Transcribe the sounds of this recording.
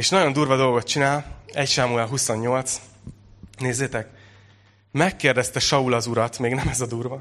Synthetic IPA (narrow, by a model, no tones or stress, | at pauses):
eːʃnɒjo̞nd̪uːrvɒd̪o̞lɡo̞t̪̚t͡ʃinaːlɛcʃaːmuɛlɦuso̞ɲːo̞lt̪s | neːzːeːt̪ɛk̚ | mɛkːeːrd̪ɛst̪ɛʃɒulɒzuɾɒt̪meːɡnɛmɛzɒd̪uːrvɒ